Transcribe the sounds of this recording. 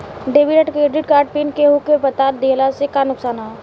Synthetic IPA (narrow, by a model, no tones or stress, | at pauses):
ɖeːʋiɖəʈkɾeːɖɪʈkaːɾɖ̚pinkeɦʊkepət̪aːɾ̚d̪eːlasekanʊksaːnaː